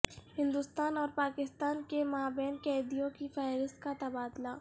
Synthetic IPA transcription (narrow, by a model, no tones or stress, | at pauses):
hɪ̃nd̪ʊst̪aːnɔːɾpaːkɪst̪aːnkemaːbɛːnkɛːd̪ijõkifaːɪɾɪst̪̚kat̪ɐbaːd̪laː